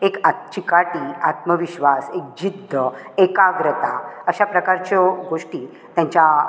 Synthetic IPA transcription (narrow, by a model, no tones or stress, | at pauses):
ekat͡ɕikaʈiːat̪məʋiɕʋasek̚d͡ʑid̪ʱːəekaɡɾət̪aəɕapɾəkaɾt͡ɕɔɡoʂʈiː | t̪jãɲt͡ɕa